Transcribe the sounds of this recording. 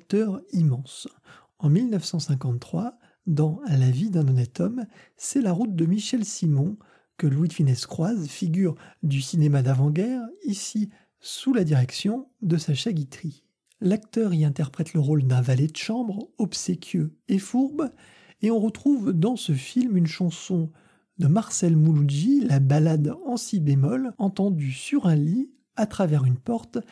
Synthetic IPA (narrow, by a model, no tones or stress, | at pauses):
k̚t̪œʁimɑ̃s | ɑ̃milnœfsɑ̃sɛ̃k̬ɑ̃t̪t̪ːχwa | d̪ɑ̃alavid̪ɛ̃nɔnɛt̪ʰɔm | sɛlaʁut̪̚d̪əmiʃɛlsimɔ̃ | kəlwid̪finɛskχwazfiɡʲyʁd̪ysinemad̪avɑ̃ɡɛʁisi | sulad̪iʁɛksjɔ̃d̪əsaʃaɡʲit̪χi | lak̚t̪œʁiɛ̃t̪ɛʁpχɛt̪ləʁold̪ɛ̃valed̪əʃɑ̃bʁɔpsekʲʰøefuʁb | eɔ̃ʁət̪χuvd̪ɑ̃səfilmynʃɑ̃sɔ̃ | d̪əmaʁsɛlmulud͡ʒilabalad̪ɑ̃sibemɔlɑ̃t̪ɑ̃d̪ysyʁɛ̃li | at̪χavɛʁynpɔʁt̪